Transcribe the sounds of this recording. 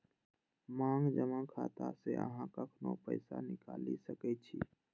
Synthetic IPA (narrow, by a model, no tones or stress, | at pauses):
mãːŋɡd͡ʒəmãkʰa̰ːt̪aseə̰ɦãkəkʰnopəɪsanɪkaːlisəkɛt͡ʃʰiː